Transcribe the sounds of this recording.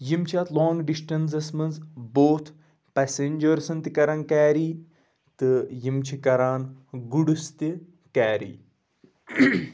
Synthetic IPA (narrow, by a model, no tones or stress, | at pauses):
jimt͡ʃʰiaːt̪lɔːŋɡɖisʈɐns̬ɐsmɐnzboːt̪ʰ | pɛsenʲd͡ʒɐɾsɐnt̪ikɐɾankaːɾiː | t̪ɨjimt͡ʃʰikɐɾaːnɡuɽust̪i | kaːɾḭː